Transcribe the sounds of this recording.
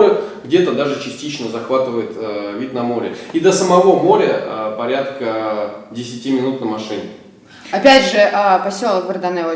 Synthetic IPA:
ɾəɡdʲet̪əd̪aʐɨt͡ɕɪsʲtʲit͡ɕnəzɐxvat̪ɨvəjɪt̪əvʲit̪̚ʲnɐmo̞ɾʲɪ̰id̪əsəmɐvo̞mo̞ɾʲəəpɐɾʲat̪kədʲɪsʲɪtʲimʲɪnut̪nəmɐʂɨnʲɪ | ɐpʲædʲʐɨʔapɐsʲo̞lˠəkvərd̪ɐnɛlə

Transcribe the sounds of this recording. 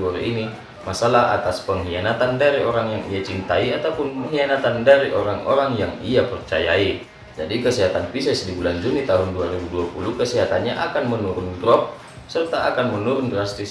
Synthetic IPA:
ɔɾḭini | masalaɦa̰t̪aspəŋɦianat̪andaɾiʔɔɾaŋjaŋiat͡ʃint̪aiat̪awpunɦianat̪andaɾiʔɔɾaŋɔɾaŋjaŋiapərt͡ʃa̰jai | d͡ʒadikəsɛɦat̪anpisɛsdibuland͡ʒunit̪aɦunduaɾibuduapulukəsɛɦat̪anɲaʔakanmənuɾundɾɔp̚ | sərt̪aʔakanmənuɾundɾast̪is

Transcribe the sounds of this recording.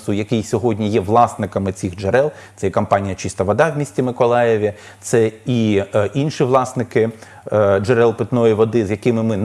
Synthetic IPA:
sʊjɐkɪjsʲɔɦɔdʲnʲijɛʋlˠɑsnɪkɐmɪt͡sʲiɣd͡ʒeɾɛlˠt̪sɛjɛkɐmpɑnʲijɐt͡ʃist̪ɐʋɔd̪ɑʋwʲmʲisʲtʲimɪkɔlˠɑjeʋʲi | t̪sɛiʔinʃiʋlˠɑsnɪkɪ | d͡ʒeɾɛlˠpɪt̪nɔjiʋɔd̪ɪzʲjɐkɪmɪmɪn

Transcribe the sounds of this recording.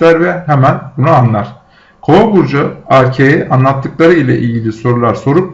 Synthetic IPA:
æɾvɛɦemænbunuanlˠaɾ̥ | kʰo̞abuɾd͡ʒaæɾcʰejɛʔanlˠat̪ʰːɯklˠaɾɯilʲɛ̰ʔilɟilʲiso̞ɾulˠaɾso̞ɾup̚

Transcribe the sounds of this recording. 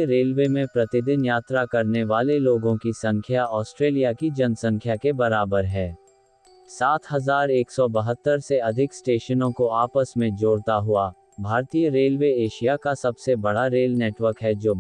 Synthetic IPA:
əɾeːlʋemẽpɾɐt̪ɪd̪ɪnjaːt̪ɾakɐɾneʋaːleloːɡõkisɐ̃ŋkʰjaɔːsʈɾeːlijakid͡ʒɐnsɐ̃ŋkʰjakebɐɾaːbəɾɦɛː | saːt̪ʰɦɐzaːɾeːksɔbɐɦət̪ːəɾseɐd̪ʱɪksʈeːʃənõkoaːpəsmẽd͡ʒoːɽt̪aɦʊa | bʱaːɾt̪ijəɾeːlʋeeːʃijakasɐbsebɐɽaɾeːlneːʈwəɾkɦɛd͡ʒoː

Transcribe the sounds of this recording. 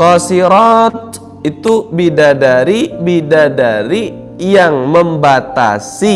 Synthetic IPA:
kɔsiɾɔt̪̚ | it̪ubidadaɾibidadaɾi | jaŋməmbat̪a̰si

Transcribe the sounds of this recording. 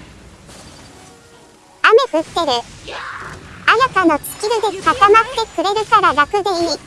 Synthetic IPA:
ame̞ɸɯ̟ke̞ɾɯ̟ | ajakano̞t͡sɨ̥kʲiɾɯ̟d̪e̞kat̪amat̪ːe̞kɯ̟ɾe̞ɾɯ̟kaɾaɾakɯ̟d̪eii

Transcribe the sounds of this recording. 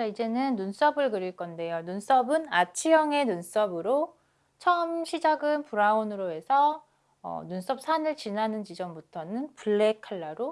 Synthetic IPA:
t͡ɕaid͡ʑe̞nɯnːuns͈ʌbɯɭkɯɾiɭk͈ʌnde̞jonuns͈ʌbɯnat͡ɕʰijʌŋe̞nuns͈ʌbɯɾo | t͡ɕʰʌɯmɕʰid͡ʑaɡɯnpuɾaonɯɾoe̞sʰʌ̰ː | nuns͈ʌp̚s͈ʰanɯɭt͡ɕinanɯnt͡ɕid͡ʑʌmbutʰʌnɯnpuɭːe̞kʰaɭːaɾo

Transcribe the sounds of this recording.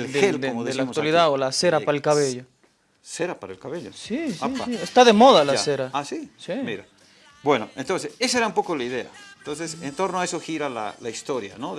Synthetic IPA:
elxeld̪ooðelakk̪waliðaolase̞ɾapaɾelkaβeʎo | seɾapaɾaelkaβeʎo̰sisaipiest̪aðemo̞ðalaseɾaasisimiɾa | bwe̞noent̪onsesesaeɾaũmpo̞kolaiðe̞a̰ent̪ons̬esent̪o̞ɾnoaesoxiɾala̰laist̪o̞ɾja̰noð

